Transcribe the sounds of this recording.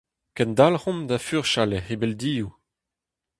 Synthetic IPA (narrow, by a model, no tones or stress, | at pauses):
kɛ̃nd̪alhɔ̃md̪afyʁʃalehebɛld̪iːu